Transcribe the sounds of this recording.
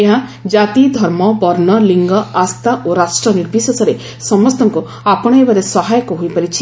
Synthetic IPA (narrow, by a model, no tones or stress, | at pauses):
eɦãd͡ʒat̪id̪ʱɔɾmɔbɔɾnɔliŋɡɔast̪ʰaʔoɾasʈɾɔniɾbʱisɔsɔɾe | sɔmɔst̪ɔŋku | apɔɽ̃ɔebaɾesɔɦajɔkɔɦojpaɾit͡ʃʰi̥